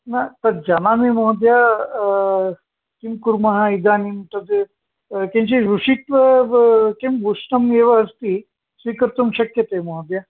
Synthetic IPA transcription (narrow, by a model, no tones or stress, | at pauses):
nat̪ɐd̪̚d͡ʒanamemɔɦd̪ja | kimkuɾmɐɦaid̪aːnimt̪ɐd̪ | kẽɲt͡ɕiɾuʂit̪ʋə | kembʱuʂɳɐmeʋəɦɐst̪i | sʋikəɾt̪umɕɐkjət̪emɔɦd̪ja